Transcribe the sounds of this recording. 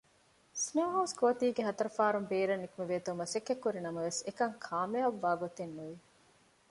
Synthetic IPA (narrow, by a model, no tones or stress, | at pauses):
sneːɦɐwskoːt̪iːɡeɦɐt̪ɐɾɐfaːɾumbeːɾɐnːikumeʋeːt̪umɐsekːekːuɾinɐmɐʋesekɐŋkʰaːmeɐʋʋaːɡot̪enːuʋi